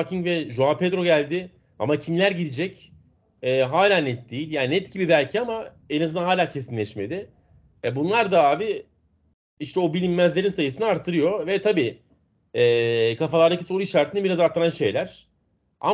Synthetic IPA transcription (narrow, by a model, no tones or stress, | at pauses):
acʰiŋvɛʒoapʰed̪ɾo̞ɟælʲd̪ɪ | a̰macʰimlʲæɾɟid̪id͡ʒɛc | ɛːɦaːlʲaːnɛt̪̚d̪ejilʲjaːnnɛt̪ɟibibælʲcʰiama | enazɯnanaːlʲaːcʰe̞sinlʲɛʃme̞̰d̪ɪ | ɛbunlˠaɾd̪aaːvi | iʃt̪ɛo̞bilʲimːæzlʲe̞ɾinsajɯsɯnɯaɾt̪ʰːɯɾɯjo̞vɛt̪ʰabiː | ɛːkʰafalˠaɾd̪acʰi̥soɾuiʃaɾt̪ʰɯnɯbiɾazaɾt̪ʰːɯɾanʃe̞jlʲæɾ̝̥ | a̰